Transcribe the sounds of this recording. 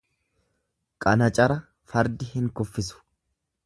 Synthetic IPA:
kʼɐnɐt͡ʃʼɐɾɐ | fɐɾd̪ɪhɪŋkʊfːɪsʊ̥

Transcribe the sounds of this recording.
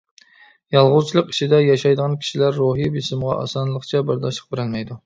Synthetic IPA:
jɑlˠʁʊzt͡ʃʰilˠəqi̥ʃid̪ɛjɑʃɑjd̪əʁɑnkʲʰi̥ʃilæɾːoɦibisɪmʁɑ̰ʔɑ̰sɑnlˠəχt͡ʃʰɛbɪɾd̪ɑʃəq̚beɾɪlmɛjd̪u

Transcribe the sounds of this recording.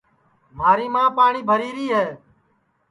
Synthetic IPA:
maːɾiːmãːpaːɳiːbʱəɾiːɾiːɦɛː

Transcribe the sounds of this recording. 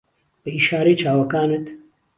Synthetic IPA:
b̥ɨiːʃaːɾeːt͡ʃʰaːwɐkaːnɨt̪

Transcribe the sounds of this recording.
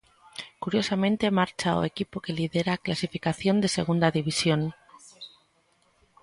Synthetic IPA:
kuɾjo̞samẽ̞nt̪e̞maɾt͡ʃao̰ḛkipoke̞liðe̞ɾaklasifikaθjo̞nd̪e̞se̞ɣ̞und̪aðiβ̞isjo̞n

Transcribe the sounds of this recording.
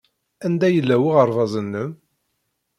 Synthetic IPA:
ænd̪æjəlːæwiʁəɾˤvɑzˤənːəm

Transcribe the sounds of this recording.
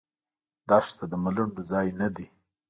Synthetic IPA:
d̪ɑʂt̪ad̪əmaluɳɖozɑjnad̪i

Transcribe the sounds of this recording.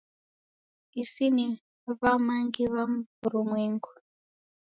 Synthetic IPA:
isini | βamaŋɡiβamvuɾumweːŋɡu

